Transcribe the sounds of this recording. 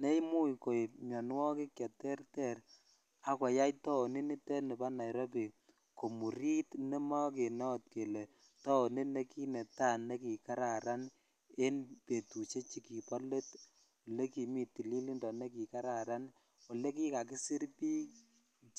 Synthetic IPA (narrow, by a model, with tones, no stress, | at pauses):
ne˦mu˦jko˨ɲɔ˨nwɔ˦ke˦kjɔ˨tɛ˦rtɛ˦˨ɾ | a˦kwa˨ja˦jtɔ˦o˨ni˦ni˦tɛ˦ne˨pa˦na˨jɾɔ˦p̬i˨ | ko˨mu˨ɾi˦tni˦mɔ˦k̬e˨nɔ˦t̚ke˨le˨ | tɔ˦o˨ni˦ne˦ki˦ne˨ta˦˨ne˦ki˨ka˦ɾa˨ɾa˦n | e˦npe˨tu˨t͡ʃe˦t͡ʃi˦ki˨pɔ˦le˦t | wo˨le˦ki˨mi˦tːi˨li˦li˦ndɔ˨ne˦ki˨ka˦ɾa˨ɾa˦n | wɔ˨le˦ki˦ka˨k̬i˦si˦ɾpiː˦